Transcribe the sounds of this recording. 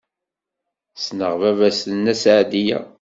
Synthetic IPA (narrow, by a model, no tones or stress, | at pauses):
snəʁvævæsnæsʕd̪ijæ̰